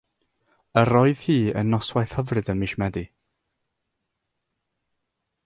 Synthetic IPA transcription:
əɾɔɨð̥hiːə̰nːɔswajθhəvrɨdəmiʃmɛdi

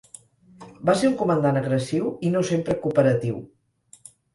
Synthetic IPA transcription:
baseɾuŋkumənd̪anəɣɾəsiwinosempɾəkupəɾət̪iw

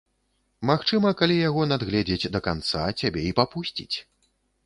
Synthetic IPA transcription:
maxt͡ʂɨmɐkalʲijaɣɔnad̪ɣlʲɛd͡zʲed͡zʲd̪ɐkant̪sa̰t͡sʲabʲɛipapusʲt͡sʲḭt͡sʲ

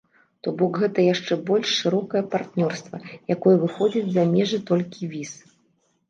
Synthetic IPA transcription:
t̪ɔbɔkɣɛt̪ɐjaʂt͡ʂɛbɔlʲʂːɨɾɔkɐjɐpart̪nʲɔrst̪vɐjakɔjɛvɨxɔd͡zʲid͡zʲzamʲɛʐɨt̪ɔlʲkʲivʲis

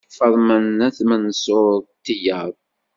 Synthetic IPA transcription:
fəɾˤmənæθmənsʊɾt̪ːijæð

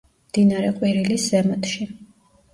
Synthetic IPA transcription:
md̪̥inaɾɛqʼwiɾiliszɛmɔt̪ʰʃi

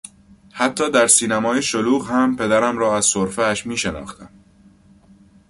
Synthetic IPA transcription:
hæt̪ʰːɒːd̪æɾsiːnæmɒːjeʃoluːɣhæmpʰe̞d̪æɾæmɾɒːæz̥soɾfææʃmiːʃenɒ̰ːxt̪æm

